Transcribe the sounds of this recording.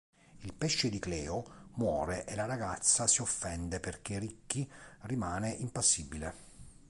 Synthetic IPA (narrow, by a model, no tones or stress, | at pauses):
ilpɛʃːɪd̪iklɛːomwɔːɾeʔelaɾaɡat̪sːasiofːɛnd̪eperk̟erikːirimaːneʔimpasːibile